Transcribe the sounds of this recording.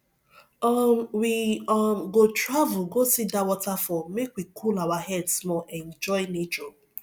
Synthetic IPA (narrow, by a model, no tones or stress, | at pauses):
ɔmwiɔmɡotɹavʊɡosidawɔtafɔmekwikʰulawaɦɛdsmɔʔɛn̩d͡ʒɔjnet͡ʃɔ